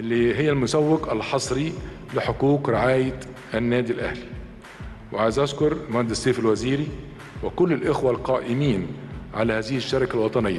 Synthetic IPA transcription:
ʔɪlːiɦɪjːælmʊsæwːɪqælħɑsˤɾi | lɪħʊkuːkɾɪʕaːjɪt̪ | ʔænːæːd̪ilʔæ̰hli | wɪʕajɪzʔaskʊɾˤmænd̪ɪsːeːfɪlwæziːɾi | wɪkʊlːɪlʔɪxwalqɑːʔɪmiːnʕalæhæːzɪhʃːɑɾɪkalwɑt̪ˤɑnɪjːa

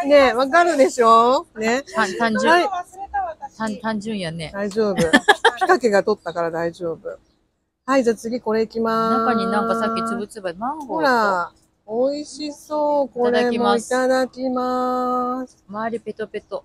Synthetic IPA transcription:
ne̞βakaɾɯ̟d̪eɕo̞ːne̞at̪ãɲd͡ʑɨhai | t̪at̪ãɲd͡ʑɨ̃ɰ̃janed̪aiʑo̞ːbɯ̟pʲi̥kake̞ɡat̪o̞t̪ːakaɾad̪aiʑo̞ːbɯ̟̰ | haid͡ʑat͡sɨɡʲiko̞ɾe̞ikʲimaakaɲinãŋkasakʲːit͡sɨbɯt͡sɨbaahoɾa | oiɕiso̞ːko̞ɾemo̞it̪ad̪akʲima | sɨ̥maːɾʲipe̞t̪ːope̞t̪ːo

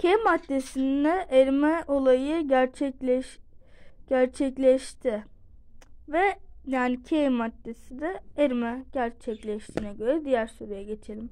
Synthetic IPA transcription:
cʰemat̪ːesind̪ɛʔeɾmɛʔo̞lˠajɯɟæɾt͡ʃʰɛclʲɛʃ | ɟ̥æɾt͡ʃʰɛclʲɛʃt̪ʰɪ | vɛjaːnicʰemat̪ːesid̪ɛeɾmɛɟ̥æɾt͡ʃʰɛclʲɛʃt̪ʰiːnɛɟø̞ɾɛd̪ijæɾsoɾujaɟe̞t͡ʃʰelʲim

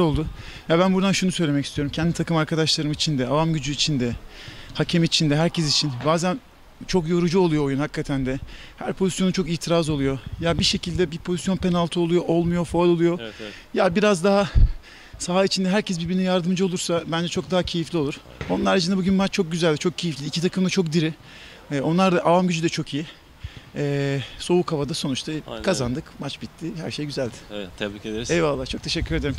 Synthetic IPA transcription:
olˠd̪ujabænbuɾd̪anʃunusø̞jlʲeɛci̥st̪ʰijoɾumcʰɛnd̪it̪ʰakɯmaɾkʰad̪aʃlˠaɾɯmit͡ʃʰind̪ɛavamɟyd͡ʒyːt͡ʃʰind̪ɛhacʰemiːt͡ʃʰind̪ɛɦæɾcʰesit͡ʃʰinbaːzæn | t͡ʃʰo̞kjo̞ɾud͡ʒuo̞lˠujo̞ːjunhakʰːat̪ʰænd̪ɛhæ̰ɾpʰo̞zisjo̞nut͡ʃʰo̞kiːt̪ʰiɾazolˠujo̞jabiʃe̞cʰilʲd̪ɛbipʰo̞zisjo̞npʰe̞nalˠt̪ʰuolˠujo̞ʔo̞lˠmujo̞folʲo̞lˠujo̞ | jabiɾazd̪aɦa | saɦait͡ʃʰind̪ɛɦæɾcʰɛs̬biɾbiɾnɛjaɾd̪ɯmd͡ʒɯo̞lˠuɾsabænd͡ʒɛt͡ʃʰo̞k̚d̪aɦacʰe̞jiflʲio̞luɾ̥ | onˠaɾaɾad͡ʒɯnd̪abuɟynmat͡ʃt͡ʃʰo̞k̚ɟyzælʲd̪it͡ʃʰo̞k̚cʰejiflʲiːcʰit̪ʰakʰɯmd̪at͡ʃʰo̞k̚d̪iɾɪ | ɛːo̞nlˠaɾd̪aʔavamɟyd͡ʒyd̪ɛt͡ʃʰo̞kʰiji | ɛːso̞ukʰhavad̪aso̞nut͡ʃt̪ʰakʰazand̪ɯkmat͡ʃbit̪ʰːɪhæɾʃe̞jɟyzælʲd̪ɪ̥eɛvalˠːaːt͡ʃʰo̞k̚t̪ʰe̞ʃɛcːyɾe̞d̪eɾim

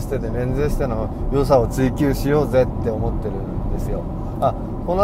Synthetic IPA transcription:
ɕt̪et̪emẽ̞nd͡zeːɕi̥t̪ano | jo̞s̬ao̞t͡sɨikʲɨːɕijo̞ːze̞t̪ːe̞omo̞t̪ːe̞ɾɯ̟nd̪e̞sɨjo̞ | a | ko̞no

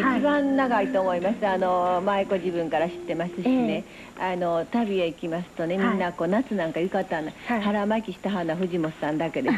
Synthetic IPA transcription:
it͡ɕibãnnaɡait̪o̞ːmo̞imasɨano̞maeko̞ʑibɯ̟̃ŋkaɾaɕi̥t̪ːe̞masɨɕine̞ | ano̞t̪abʲieikʲimasɨ̥t̪o̞ne̞mʲĩnːako̞ːnat͡sɨnãŋkajɯ̟kat̪ːãnːahaɾamakʲiɕi̥t̪aɦanːaɸɯ̟ʑimo̞ssãnd̪ake̞d̪e

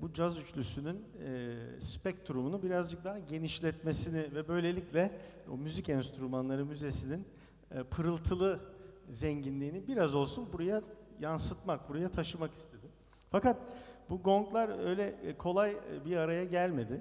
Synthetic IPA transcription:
bud͡ʒazyt͡ʃlʲysynynː | spɛct̪ʰɾumunubiɾazd͡ʒɯk̚d̪aɦaɟe̞niʃlʲɛt̪me̞sinɪvɛbø̞jlʲe̞lʲiclʲɛ | o̰myzicɛnst̪ɾumanlˠaɾɯmyze̞sinin | pʰɯɾɯlˠt̪ʰɯlˠɯzɛɲɟinlʲiːnibiɾazo̞lˠsunbuɾajajansɯt̪mak̚buɾajat̪ʰaʃɯmaki̥st̪ʰe̞d̪ɪm | fakat̪̚buɡo̞ŋklˠaɾø̞jlʲɛkʰo̞lˠajbiaɾajaɟælʲme̞d̪ɪ

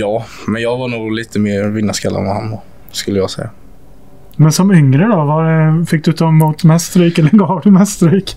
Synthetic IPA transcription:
jɑːmɛnjɑːɡvanuːɡliːt̪ʰəmeːɾvɪnːaskɛlːa̰nmaha̰nːɔ | skɵlːəjɑːɡsɛjːa | mɛnsɔmʏŋɾəd̪ɔvɑɖɛfɪk̚d̪ʉːt̪ɔmuːt̪mɛst̪ɾiːkɛlːəɡɑːvd̪əmɛst̪ɾiːk

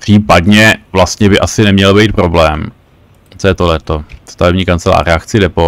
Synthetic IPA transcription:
pr̥iːpadɲɛvlast̪ɲɛbɪʔasɪnɛmɲɛlbɛjt̪̚pɾoblɛːm | t͡sojɛt̪olɛt̪ost̪avɛbɲiːkant͡sɛla̰ːɾɛakt͡sɪdɛpo

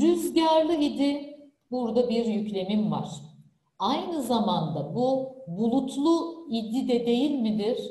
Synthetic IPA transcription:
ɾyzɟaɾlˠɯid̪i | buɾd̪abiɾjyclʲe̞mimva̰ɾ̝̥ | ajnɯzamand̪abubulˠut̪ʰlˠuid̪id̪ɛd̪e̞jilʲmid̪iɾ̥

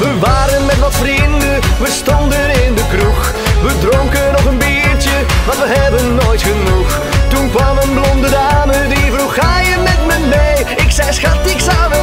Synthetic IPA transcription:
ʋəʋaːɾənmɛtʋɑtfrindəʋəstɔndənɪndəkruχ | ʋədrɔŋkənɔχənbiːɹtə | maɑtʋəɦɛbənːoːjtχənux | tunkʋɑmənblɔndədaːmədivruχaːjəmɛtmənmej | ɪksɛjsχatɪksaə

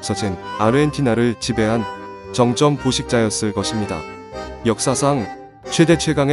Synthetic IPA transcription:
s͈ʌd͡ʑinaɾɯentʰinaɾɯɭt͡ɕibe̞ɦan | t͡ɕʌŋt͡ɕ͈ʌmpoɕʰik̚t͡ɕ͈ajʌs͈ɯɭk͈ʌɕʰimɲida̰ | jʌk̚s͈asʰaŋ | t͡ɕʰwe̞de̞t͡ɕʰwe̞ɡaŋe

